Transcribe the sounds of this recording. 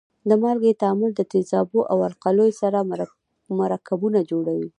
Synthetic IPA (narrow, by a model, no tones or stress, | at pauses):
d̪əmɑɾɡet̪aamʊld̪ət̪ɪzɑboʔawaɾqalojsaɾa | maɾɑkabunad͡ʒoɽawi